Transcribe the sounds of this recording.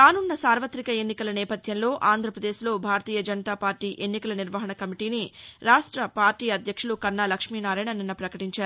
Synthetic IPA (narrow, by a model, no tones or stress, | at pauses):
ɾaːnunːɐsaːɾʋɐt̪ɾikɐe̞nːikɐlɐnɛːpɐd̪ʱjɐnlo̞ːʔaːnd̪ʱɾɐpɾɐd̪eːʃlo̞ːbʱaːɾɐt̪iːjɐd͡ʒɐnɐt̪aːpaːɾʈiːʔe̞nːikɐlɐniɾʋɐɦɐɳɐkɐmiʈiːniɾaːʂʈɾɐpaːɾʈiːɐd̪ʱjɐkʂulukɐnːaːlɐkʂmiːnaːɾaːjɳɐninːɐpɾɐkɐʈiɲt͡ʃaːɾu